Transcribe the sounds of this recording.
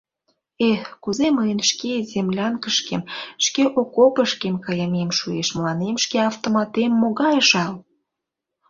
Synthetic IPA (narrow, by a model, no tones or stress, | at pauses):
ekuzeməjənʃkezemlʲɑnkəʃkemʃkeʔokopəʃkemkɑjɑmemʃueʃməlɑnemʃkeɑft̪omɑt̪emːoɣɑeʃɑl